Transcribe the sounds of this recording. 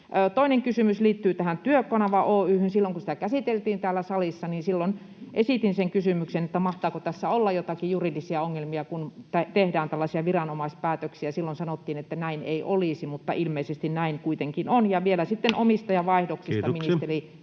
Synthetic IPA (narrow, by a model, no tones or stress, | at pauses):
øːt̪oineŋkysymysliːt̪ːyːt̪æhænt̪yøkːɑnɑʋɑʔoːyːhynsilːoŋkusĭ̥t̪ækæsit̪elt̪iːnt̪æːlːæsɑlisːɑninsilːon | ʔesit̪inseŋkysymyksenet̪ːæmɑht̪ɑːkot̪æsːæolːɑjjot̪ɑkijurilːisiɑoŋːelmiɑkunt̪æt̪ehdæːnt̪ælːɑsiɑʋirɑnomɑispæːt̪øksiæsilːonsɑnot̪ːiːnet̪ːænæinḛiʔolisimut̪ːɑ̰ʔilmeisest̪innæiŋkuit̪eŋkinonjɑʋielæsit̪ːenʔomist̪ɑjɑʋɑihdoksistt̪ɑminist̪eri